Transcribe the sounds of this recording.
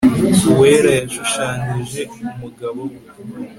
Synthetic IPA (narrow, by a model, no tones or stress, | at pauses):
we̞ːɾajaʃuʃaːniʒe̞umuɡaβo̞